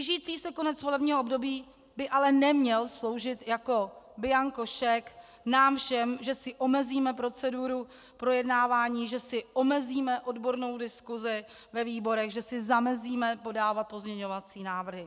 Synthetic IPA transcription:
ɪʒiːt͡siːsɛko̞nɛt͡svo̞lɛbɲiːɦoʔobdo̞biː | bɪʔalɛnɛmɲɛlslo̞wʒɪt̪jako̞bɪjaŋko̞ʃɛk | naːmfʃɛmʒɛsɪʔo̞mɛziːmɛpɾo̞t͡sɛduɾu | pɾo̞jɛdnaːvaːɲiːʒɛsɪʔo̞mɛziːmɛʔo̞dbo̞ɾno̞wdɪskuzɪ | vɛviːbo̞ɾɛɣʒɛsɪzamɛziːmɛpo̞daːvat̪̚po̞zɲɛɲo̞vat͡siːnaːvr̩ɦɪ

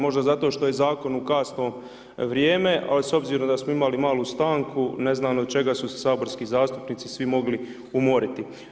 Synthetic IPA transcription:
mo̞ʒd̪azat̪o̞ːʃt̪o̞jezaːko̞nukaːsnoː | ʋɾjeːme̞ʔa̰liso̞bziːɾo̞md̪asmoimalimaːlˠust̪aːŋkune̞znaːnod̪̚t͡ʃe̞ɡasuse̥saːbo̞ɾskizaːst̪upniːt̪sisʋimo̞ɡli | umo̞ɾit̪i

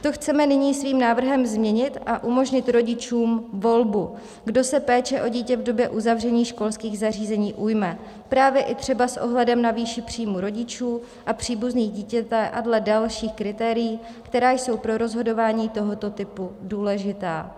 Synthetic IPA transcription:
t̪o̞xt͡sɛmɛnɪɲiːsviːmnaːvr̩ɦɛmzmɲɛɲɪt̪ʔaʔumo̞ʒɲɪt̪ɾo̞ɟɪt͡ʃuːmvo̞lbu | ɡdo̞sɛpɛːt͡ʃɛʔo̞ɟiːcɛvdo̞bjɛʔuzavr̝ɛɲiːʃko̞lskiːɣzar̝iːzɛɲiːʔujmɛ | pɾaːvjɛʔɪt̪r̝̥ɛbasʔo̞ɦlɛdɛmnaviːʃɪpr̝̥iːmuɾo̞ɟɪt͡ʃuː | ʔapr̥iːbuzniːɣɟiːcɛt̪ɛʔadlɛdalʃiːxkɾɪt̪ɛːɾɪjiː | kt̪ɛɾaːjso̞wpɾo̞ɾo̞zɦo̞do̞vaːɲiːt̪o̞ɦo̞t̪o̞t̪ɪpuduːlɛʒɪt̪aː

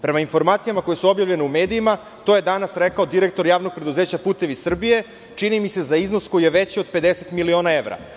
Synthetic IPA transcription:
pɾemainfo̞ɾmaːt̪sijamako̞jesuobjavʎe̞neumeːd̪iima | t̪oje̞d̪anasɾekaod̪iɾek̚t̪oɾjaːʋno̞ɡ̚pɾe̞d̪uzeːt͡ɕapuːt̪e̞ʋisr̩bije̞ | t͡ʂinimise̞zaiznosko̞jijeʋet͡ɕiod̪̚pe̞d̪eset̪milio̞naeʋɾa̰

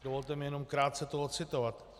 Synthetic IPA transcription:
dovo̞lt̪ɛmɪjɛno̞mkɾaːt̪̚t͡sɛt̪oɦot͡sɪt̪ovat̪

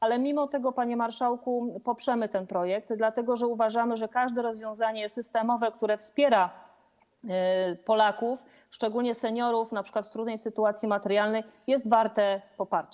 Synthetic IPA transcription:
ʔalɛmʲimɔt̪ɛɡɔpaɲɛmaɾʂawkupɔpʂɛmɘt̪ɛnpɾɔjɛk̚t̪d̪lat̪ɛɡɔʐɛuvaʐamɘʐɛkaʐd̪ɛɾɔzvʲjɔ̃w̃zaɲɛsɘst̪ɛmɔvɛkt̪uɾɛfspʲjɛɾa | pɔlakuf | ʂt͡ʂɛɡulɲɛsɛɲɔɾufnapʂɘkwat̪ft̪ɾud̪nɛjsɘt̪uat̪sʲjimat̪ɛɾjalnɛjjɛst̪vaɾt̪ɛpɔpaɾt͡ɕ

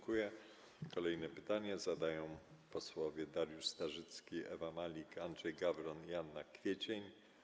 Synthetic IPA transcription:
kujɛ | kɔlɛjnɛpɘt̪aɲɛzad̪ajɔ̃w̃pɔswɔvʲjɛd̪aɾjuʂst̪aʐɘt̪skʲiɛ̰vamalʲikandʐɛjɡabɾɔnjanːakfʲjet͡ɕeɲ

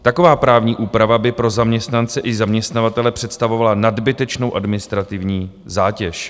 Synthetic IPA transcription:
t̪ako̞vaːpɾaːvɲiːʔuːpɾavabɪpɾo̞zamɲɛst̪nant͡sɛʔɪzamɲɛst̪navat̪ɛlɛpr̝̥ɛt̪st̪avo̞valanadbɪt̪ɛt͡ʃno̞wʔadmɪnɪst̪ɾat̪ɪvɲiː | zaːcɛʃ

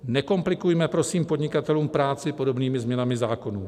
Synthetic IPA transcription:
nɛko̞mplɪkujmɛpɾo̞siːmpo̞dɲɪkat̪ɛluːmpɾaːt͡sɪpo̞do̞bniːmɪzmɲɛnamɪzaːko̞nuː

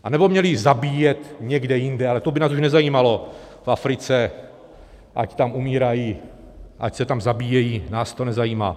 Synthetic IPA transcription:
ʔanɛbo̞mɲɛlɪzabiːjɛt̪ɲɛɡdɛjɪndɛʔalɛt̪obɪnaːsuʃnɛzajiːmalo̞ | fafɾɪt͡sɛ | ʔa̰ct̪amʔumiːɾajiː | ʔa̰csɛt̪amzabiːjɛjiːnaːst̪o̞nɛzajiːma̰ː

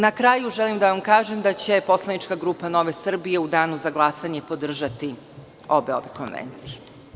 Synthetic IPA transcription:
nakɾaːjuʒelimd̪aʋamkaːʒemd̪at͡ɕe̞po̞slˠanit͡ʃkaɡɾuːpano̞ʋe̞sr̩bije̞ud̪aːnuzaɡlˠasaɲe̞po̞d̪r̩ʒat̪i | o̞be̞o̞̰ʋeko̞nʋḛnt̪sije

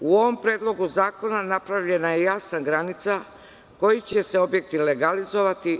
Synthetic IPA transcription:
uoʋo̞mpɾeːd̪lˠo̞ɡuzaːko̞nanapɾaʋʎe̞najejaːsnaɡɾanit̪sa | kojit͡ɕeseo̞bjek̚t̪ileɡalizoʋat̪i

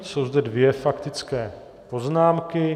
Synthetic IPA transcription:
so̞wzd̪ɛdvɪjɛfakt̪ɪt͡skɛː | po̞znaːmkɪ

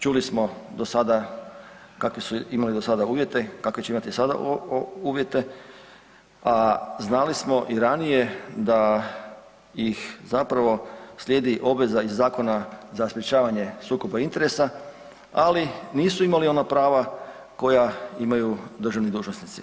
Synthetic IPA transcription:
t͡ʃulismo̞d̪osad̪a | kakʋisuimalid̪osad̪auːʋje̞t̪e̞kakʋet͡ɕeimat̪isad̪a̰uːʋje̞t̪e̞ | aznalismo̞ʔiɾanije̞d̪a | jixzapɾaʋo̞sljeːd̪iʔo̞bʋe̞zaizːaːko̞nazaspɾet͡ʃaːʋaɲe̞suːkobaint̪e̞ɾe̞sa | aliniːsuimalio̞napɾaːʋa | ko̞jaimajud̪ɾ̩rʒaʋnid̪uːʒnosnit̪si̥

